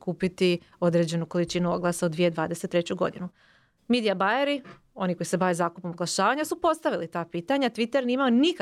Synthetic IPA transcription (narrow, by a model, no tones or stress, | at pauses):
kuːpit̪i | o̞d̪ɾe̞d͡ʑe̞nuko̞lit͡ʃinuo̞ɡlˠasaod̪ʋijed̪ʋaːd̪e̞set̪ːɾe̞t͡ɕuɡo̞̰d̪inu | mid̪ijabaeɾi | o̞niko̞jise̞baʋezaːkupo̞moɡlˠaʃaːʋaɲasupo̞t̪st̪aʋilit̪aːpiːt̪aɲat̪ʋit̪eɾniimaonik